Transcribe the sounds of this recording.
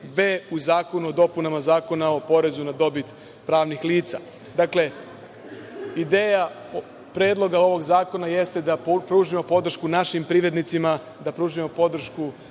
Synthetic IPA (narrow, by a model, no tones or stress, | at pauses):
beuzaːko̞nuo̞d̪o̞punamazaːko̞nao̞po̞ɾe̞zunad̪o̞bit̪ | pɾaːʋnixliːt̪sa̰ | d̪akle̞ | id̪e̞ːja | pɾe̞ːd̪lˠo̞ɡao̞ʋo̞ɡzaːko̞naje̞st̪ed̪apɾuːʒimo̞po̞d̪ɾr̩ʃkunaʃimpɾiʋɾe̞d̪nit̪sima | d̪apɾuːʒimo̞po̞d̪ɾ̩ʃku